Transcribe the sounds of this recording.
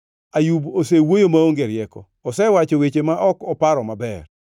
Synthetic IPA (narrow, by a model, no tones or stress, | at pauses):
ajubosewojomaoŋɡeɾjɛkɔ̰ːsɛwat͡ʃowet͡ʃemaʔɔkɔpaɾɔmabɛ̰r